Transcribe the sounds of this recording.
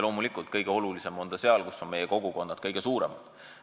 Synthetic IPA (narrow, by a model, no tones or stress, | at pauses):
lo̞ːmulikˑult̪kɤjɡ̥eo̞lulise̞mo̞nd̪̥ɑse̞ɑlkusːo̞nme̞jeko̞ɡ̥uko̞nːɑd̪̥̚kɤjɡ̥e̞suːɾe̞̰mɑd̪̥